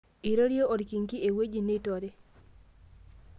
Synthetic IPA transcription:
i˨ɾo˦ɾjo˦o˨dki˨ŋki˦e˨we˦d͡ʒi˦˨ne˦to˨ɾe˦

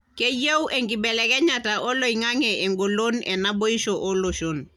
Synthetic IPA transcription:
ke˦je˦wʔe˨ŋɡi˨bɛ˨lɛ˨kɛ˦ɲa˨ta˨ʔo˦lo˦˨i˨ŋa˦ŋɛʔe˨ŋɡo˨lo˦nɛ˨na˦bo˦i˦ʃo˨ʔo˦lo˨ʃo˦n

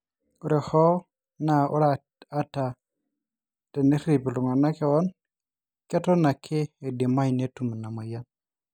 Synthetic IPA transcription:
u˦ɾe˨hɔ˦ | na˨u˦ɾa˦ | a˦ta˨ | te˨ne˦ɾi˨pi˨lu˨ŋa˨na˦ke˦˨wɔ˦n | kɛ˦tɔ˦na˨kʰɪ˦e˨de˨ma˦i˨ne˦tu˨m˨na˨ma˨ja˦t̚

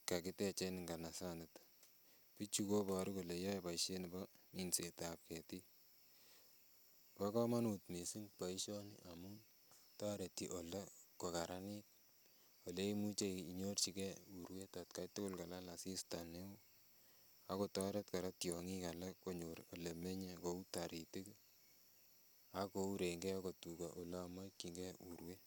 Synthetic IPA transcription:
ka˨ki˦te˦t͡ʃenɪ˨ŋɡa˨na˨sanɪt | pi˦t͡ʃukoba˨ɾu˦ko˨le˨ja˦jpaiʃe˦ni˨bɔminsetap̚ke˨ti | paka˦ma˦nutmi˨si˦ŋpa˨iʃɔ˦nḭʔamun | ta˦ɾe˨tiʔo˨lekokaɾʔani˦k̚ | o˨le˦i˦mu˦t͡ʃe˦i˨ɲo˦rt͡ʃi˦kɛ˦u˨ɾwe˦ta˨tka˦jtʊ˦kʊ˦lka˨la˦la˨si˦sta˨ne˦o˦ | a˦ko˨tɔ˦ɾe˦t̚ka˨ɾa˦tjɔ˨ŋi˦ka˨la˦ko˨ɲo˨ɾɔ˨le˨me˦ɲe˦ko˨u˦ta˨ɾi˨ti˦k | a˦kou˦ɾe˨ŋɡɛ˦ko˨tu˨ka˨ʔo˨la˦a˨ma˦ki˨ŋɡɛ˦u˨ɾwe˦

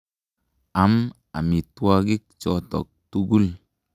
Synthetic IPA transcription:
a˨˦m | a̰˨mi˨twa˦ɡi˦k̚t͡ʃɔ˦tɔ̰˨k̚tu˦ɡu˦l

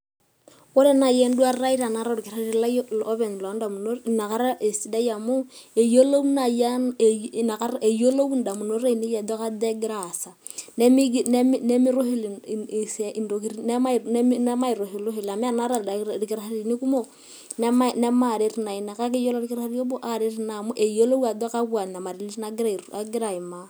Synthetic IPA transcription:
ko˦ɾe˦na˨jɛ˦n˦dwa˦rɾa˦i˦ɾa˨na˨˦ɾa˦˨ɾke˨ɾa˦ɾe˦i˨la˦lo˦βɛ˨n˨lɔ˨˦nda˨mu˨no˦˨na˨ka˦ɾa˦ʔe˨si˦da˦ja˨mu˦e˨jo˦lo˦wna˨ja˦˨na˨ka˦ɾe˨jo˦lo˦wu˦nda˨mu˨no˦ɾe˦i˨ne˦ja˨dɔ˦ka˦dɛ˦ɡɪ˦ɾa˨sa˨ | nɛ˦mi˦ɡnɛ˦m˦nɛ˦mi˦ɾo˦ɦi˦lsi˨ndo˨k̬i˦ɾi˦nɛ˦ma˦˨n˦nɛ˦ma˦i˨ɾo˨ɦi˨lo˦ɦi˨la˨mi˦a˦na˦ɾa˨ɾi˨ki˦ɾa˨ha˦ɾi˨ni˦ku˦mo˦ | nɛ˦ma˦nɛ˦ma˦˨ɾe˨˦ɾi˨˦na˨i˨na˨ka˦k̬e˦jo˦lɔ˦ɾi˦kɪ˦ɾa˦ha˦ɾi˦jo˦bo˦ʔa˨ɾe˦ɾi˦na˨mu˦ʔe˨jo˦lo˦wa˨dɔ˦ka˦βwa˨na˨ma˨ɾe˨li˦i˦na˦ɡi˦ɾa˦˨a˨ɡɪ˦ɾa˨i˨ma˦

